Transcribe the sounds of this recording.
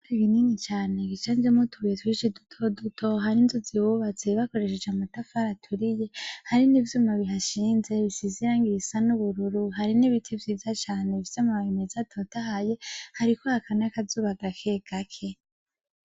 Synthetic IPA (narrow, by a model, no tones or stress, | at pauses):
aɡininit͡ʃaːne̞ɡit͡ʃand͡ʒemŋutʰuɡujetwit͡ʃedutʰodutʰo̞ɦaɾinzoziwuβat͡seβako̞ɾe̞ʃed͡ʒamutafaɾatʰuɾije̞haɾinivjumaβiɦaʃiːnze̞βisiziɾaːŋɡisanuβuɾuɾuɦaɾiniβitʰivjiːzat͡ʃaːneifisemuaβimezatʰotahaje̞haɾikohakanakazuːβaɡakʰeɡ̥akʰe̞